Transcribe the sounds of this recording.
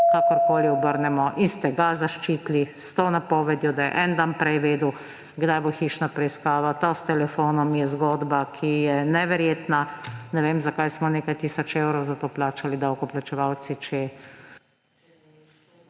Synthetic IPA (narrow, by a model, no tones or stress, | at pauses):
kaːkɔɾkoːliɔbəɾnɛmɔʔinst̪ɛɡazaʃt͡ʃiːt̪list̪onapɔːʋɛd̪jɔd̪ajɛ̰ʔɛnd̪anpɾɛjʋeːd̪uw | ɡd̪ajboxiːʃnapɾɛjiskaːʋat̪ast̪ɛlɛfoːnɔmjɛzɡɔːd̪bakʰijɛnɛʋɛɾjeːt̪nanɛʋeːmzakajsmɔneːkajt̪iːsɔt͡ʃewɾɔwzat̪oːplaːt͡ʃalid̪awkɔplat͡ʃɛʋaw̪sit͡ʃɛ